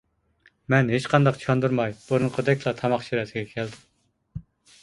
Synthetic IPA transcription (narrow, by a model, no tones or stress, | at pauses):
mɛnɦet͡ʃqʰɑnd̪ɑqt͡ʃʰɑnd̪uɾmɑjb̥uɾɨŋqʰəd̪ɛkʲlˠɑt̪ʰɑmɑχʃiɾɛsɪɡʲɛkʲʰɛld̪ɪm